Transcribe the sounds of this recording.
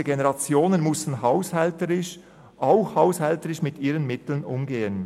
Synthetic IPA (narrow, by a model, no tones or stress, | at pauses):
əɡenɛʁɑt͡sjoːnənmʊstn̩ɦaʊshɛltəʁɪʃ | ʔaʊxhaʊshɛltəʁɪʃmɪtiːʁənmɪtl̩nʊmɡeːən